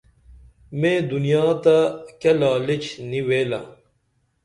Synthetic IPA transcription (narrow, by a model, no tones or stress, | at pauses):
mẽːd̪unijaːt̪akɐlaːlit͡ɕniweːlã̰ː